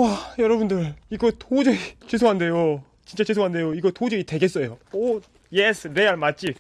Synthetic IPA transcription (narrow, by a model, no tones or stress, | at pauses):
ajʌɾʌbundɯɾiɡʌtod͡ʑɯit͡ɕes̬ʰoɦande̞jo | t͡ɕint͡ɕ͈at͡ɕes̬ʰoŋɦande̞joiɡʌtod͡ʑʌite̞ɡe̞ts͈ʌjoo | jesʰɾeaɭmat͡ɕ͈ib